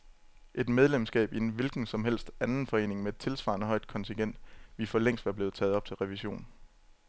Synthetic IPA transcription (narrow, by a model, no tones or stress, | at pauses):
ʔe̝d̥með̞ˠlemsɡ̥ɛ̰ːb̥inʋe̝lɡ̥n̩sɒ̽mɦel̰sd̥ænn̩fɒ̽e̝̰ːne̝ŋmeed̥̚t͡sʰe̝lsʋɑ̰̈ːnəɦɒ̽ɪd̥̚kʰɒ̽nt͡sʰiŋɡ̥en̰d̥ʋifɒleŋ̰sd̥ʋæɐb̥le̝ːð̩ˠt͡sʰɛːð̞̩ˠɒ̽b̥̚t͡sʰe̝lʁɛʋiɕo̝̰ːn